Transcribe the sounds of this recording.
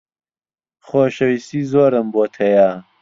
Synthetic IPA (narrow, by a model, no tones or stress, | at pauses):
xoːɕɐwisiːzoːɾɐmboːt̪ʰɐjaː